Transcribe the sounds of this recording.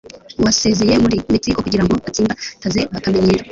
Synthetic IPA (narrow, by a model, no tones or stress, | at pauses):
wase̞zejemuɾimitiːkokuɟiɾamboβatiːmbatazeβakameɲeɾa